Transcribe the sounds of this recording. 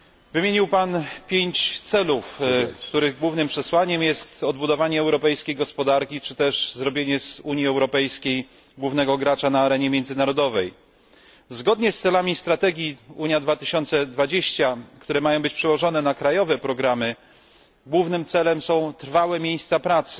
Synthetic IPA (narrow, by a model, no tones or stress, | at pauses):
vɘeɲiwpanpʲjeɲt͡ɕt̪sɛlufkkt̪uɾɘɣɡwuvnɘmpʂɛswaɲɛmjɛst̪ɔd̪̚bud̪ɔvaɲɛːwɾɔpɛjskʲejɡɔspɔd̪aɾkʲit͡ʂɘt̪ɛʂzɾɔbʲjeɲɛzuɲjiɛwɾɔpɛjskʲej | ɡwuvnɛɡɔɡɾat͡ʂanaːɾɛɲɛmʲjɛnd̪zɘnaɾɔd̪ɔvɛj | zɡɔd̪ɲɛst̪sɛlamʲist̪ɾat̪ɛɡʲjiuɲjad̪vat̪ɘɕɔnt̪sɛd̪vad͡ʑeɕt͡ɕakt̪uɾɛmajɔ̃w̃bɘt͡ɕpʂɛwɔʐɔnɛnakɾajɔvɛpɾɔɡɾamɘ | ɡwuvnɘmt̪sɛlɛmsɔ̃w̃t̪ɾfawɛmʲjejst̪sapɾat̪sɘ̥